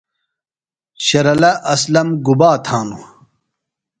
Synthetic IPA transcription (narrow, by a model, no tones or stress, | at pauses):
ɕɐɾɐlɐʔɐslɐmɡubaːt̪ʰaːnu